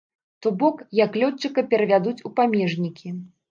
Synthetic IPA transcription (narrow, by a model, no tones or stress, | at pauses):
t̪ɔbɔkjɐklʲɔt͡ʂːɨkɐpʲɛɾɐvʲad̪ut͡sʲupamʲɛʐnʲikʲi